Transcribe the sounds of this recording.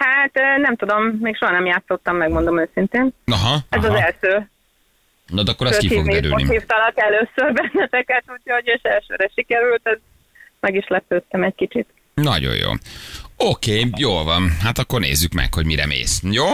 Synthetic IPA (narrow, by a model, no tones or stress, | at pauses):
haːt̪ːnɛmt̪ud̪o̞mːeːkʃo̞ɦɒnɛmjaːt̪so̞t̪ːɒmːɛɡmo̞nd̪o̞møːsint̪eːnɒɦɒɛzɒzɛlʃøː | nɒd̪ɛɒkːoɾsstkiioɡ̪iɾy̰lnḭiːft̪ɒlɒt̪ːɛløːsørbɛnːɛt̪ɛkɛt̪ucʰooɟøːʃɛlʃøːɾɛʃikɛɾylt̪ɛz | mɛɡiʃlɛpøːt̪ːɛmɛckit͡ʃit̪ | nɒ̰ɟo̰jo̰ːokeːjoːlvɒnɦat̪ɒkːornḛːzːykmɛ̰kho̞ɟmiɾɛ̰mḛːsjoː